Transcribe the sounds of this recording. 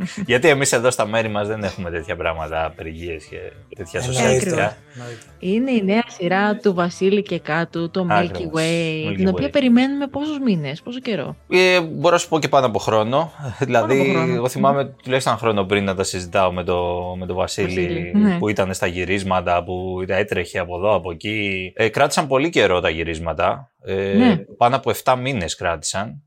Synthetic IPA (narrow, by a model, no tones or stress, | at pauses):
ʝɐt̪ie̞mise̞ðo̞st̪ɐme̞ɾimɐzðe̞ne̞xume̞t̪e̞t̪çɐpɾɐmɐt̪ɐːpeɾʝie̞sce̞̰t̪e̞t̪çɐssosɐikɐ | ine̞ineɐsiɾɐt̪uvɐsilicekɐt̪ut̪uɐmɾikɾiiwet̪ino̞piɐpe̞ɾime̞nume̞po̞suzmine̞spo̞soce̞ɾo̞̰eboɾonɐsu̥po̞ce̞pɐnoɐpoxɾo̞no̞ðilɐðieɣo̞θimɐmet̪uleçsɐxɾo̞no̞pɾinːɐt̪ɐsizit̪ɐo̞met̪o̞me̞t̪o̞vɐsilinpuit̪ɐne̞st̪ɐʝiɾizmɐt̪ɐpuit̪ɐet̪ɾeçeɐpo̞ðo̞ɐpo̞eciekɾɐt̪i̥sɐmpo̞lice̞ɾo̞t̪ɐʝiɾizmɐt̪ɐ | eepɐnoɐpo̞e̞ft̪ɐmine̞skɾɐt̪i̥sɐn